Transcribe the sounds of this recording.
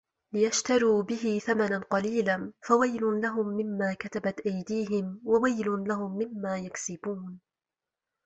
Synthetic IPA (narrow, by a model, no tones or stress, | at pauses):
lɪjaʃt̪aɾuːbɪɦɪθamananqɑliːlanfawajlʊnlaɦʊmːɪmːaːkat̪abat̪ʔajd̪iːɦɪmwawajlʊnlaɦʊmːɪmːaːjaksɪbuːn